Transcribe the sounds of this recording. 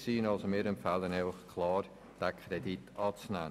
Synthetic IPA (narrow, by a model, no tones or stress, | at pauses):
siːnɑlsomɪːɾɛmfælənɛɪfəχkʰlɑːr | d̥ækʰɾeditɑːt͡snæ̰ː